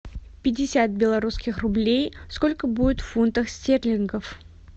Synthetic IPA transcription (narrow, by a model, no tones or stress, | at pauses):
pʲɪdʲɪsʲat̪̚bʲɪlˠɐɾuskʲɪxrʊblʲejskolʲkəbudʲɪt̪ffunt̪əxsʲtʲerlʲɪnɡəf